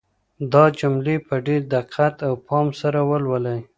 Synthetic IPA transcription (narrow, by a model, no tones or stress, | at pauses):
d̪ɑd͡ʒʊmlepəɖeɾd̪aqʰat̪awpʰɑmsaɾawəlwəlaj